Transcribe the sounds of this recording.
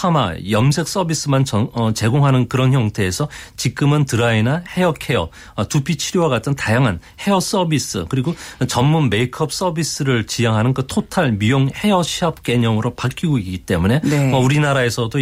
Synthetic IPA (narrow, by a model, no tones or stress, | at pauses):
ama̰jʌmsʰe̞k̚s͈ʌbis͈ɯmant͡ɕʌʌt͡ɕe̞ɡoŋɦanɯnkɯɾʌnçjʌŋtʰe̞ːsʰʌt͡ɕik͈ɯmɯntɯɾainahe̞jʌkʰe̞ʌ | tupʰit͡ɕʰiɾjowaɡatʰɯntajaŋɦanhe̞jʌs͈ʌbis͈ɯ̰kɯɾiɡot͡ɕʌmːunme̞ikʰʌp̚s͈ʌbis͈ɯɾɯɭt͡ɕijaŋɦanɯnkɯtʰotʰaɭmijoŋhe̞jʌɕʰiap̚k͈e̞ɲʌŋɯɾopak͈iɡoik͈it͈e̞mune̞ʌuɾinaɾae̞sʰʌdo